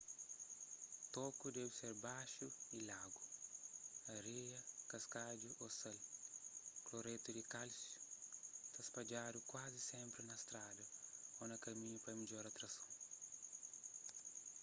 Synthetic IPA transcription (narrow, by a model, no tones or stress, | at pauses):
t̪ɔkʊd̪ɛvɪseɾbaʃʊilaɡʊ | ɐɾejɐkɐskad͡ʒuʔosɛl | kloɾet̪ʊdɪkalsjʊ̥t̪ɐspad͡ʒaɾʊkwazɪsẽmpɾɪnɐst̪ɾad̪ɐonɐkɐmĩɲʊpɐmiʎɔɾat̪ɾɐsɐ̃w̃